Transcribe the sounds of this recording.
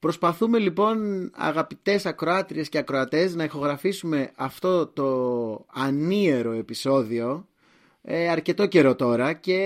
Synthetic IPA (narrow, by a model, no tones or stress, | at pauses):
pɾo̞spɐθume̞lipo̞nɐ̰ɣɐpit̪e̞sɐkɾo̞ɐt̪ɾie̞sce̞ɐkɾo̞ɐt̪e̞znɐixo̞ɣɾɐfisume̞ɐft̪o̞t̪o̞ɐnie̞ɾo̞e̞piso̞ðio̞ | eɐɾce̞t̪o̞ce̞ɾo̞t̪o̞ɾɐce̞